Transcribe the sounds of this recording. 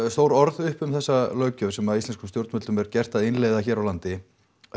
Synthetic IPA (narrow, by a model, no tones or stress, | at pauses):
st̪oːwɾɔɾðʏhpʏmθɛsːalœːɥcʏ̥sɛmaðist̪ɛnskʏmst̪jowɾt̪mʏt̪ʏmɛɾcɛr̥t̪aðɪnleːjðaçɛːɾawlant̪ɪ